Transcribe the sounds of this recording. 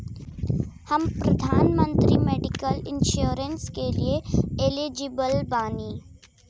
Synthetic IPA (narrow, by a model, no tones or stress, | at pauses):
hɐmpɾɐd̪ʱaːnmə̃nt̪ɾimeːɖɪkəlɪnʃuɾənskelieelid͡ʒɪbəlbaːniː